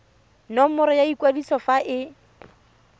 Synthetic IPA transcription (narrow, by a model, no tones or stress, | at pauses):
nɔmʊɾɔjaikwadisɔfaʔɪ